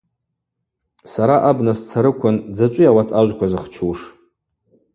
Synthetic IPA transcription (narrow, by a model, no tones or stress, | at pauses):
saɾaʔabnast͡sʰaɾɨkʷʰʊnd͡zat͡ʃʷʼɪjawatʰaʒʷkʷʰazɨχt͡ʃʷʰuʂ